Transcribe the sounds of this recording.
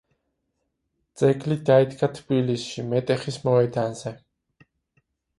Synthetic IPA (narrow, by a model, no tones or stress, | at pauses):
t̪sʼɛɡʼlid̪aid̪ɡat̪ʰbilisʃimɛt̪ʼɛχismɔɛd̪anzɛ